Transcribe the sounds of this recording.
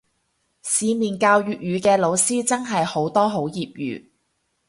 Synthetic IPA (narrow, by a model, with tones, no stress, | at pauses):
siː˨˧miː˨nkaː˧wjyː˨t̚jyː˨˧kɛː˧lo˨˧wsiː˥t͡sɐ˥ŋɦɐ˨jho˨˥wt̪ɔː˥ɦo˨˥wjiː˨p̚jy̰ː˨˧